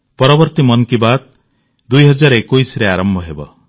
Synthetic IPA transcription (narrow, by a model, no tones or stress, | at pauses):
pɔɾɔbɔɾt̪imɔnkibad̪̚ | d̪ujɦɔd͡ʒaɾɔekujsɾeaɾɔmbʱɔɦebɔ̰